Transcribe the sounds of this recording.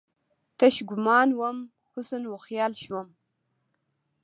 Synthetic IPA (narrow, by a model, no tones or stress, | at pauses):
tʰɐʃɡʷʊmaːnwɐm | χʷʊsɨnwʊχjaːlʃwɐm